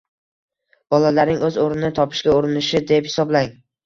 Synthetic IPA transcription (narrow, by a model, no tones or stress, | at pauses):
b̥ɒlalaɾnɪŋɵzoɾnɪnɪt̪ʰɒpʰɪ̥ʃkʲaʊɾɪnɪʃɪd̪e̞phɪ̥sɒblaŋ